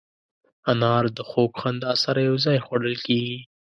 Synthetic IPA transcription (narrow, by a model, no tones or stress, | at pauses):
anɑɾd̪əxokxand̪ɑsaɾajawzɑjxwaɽəlkeɡi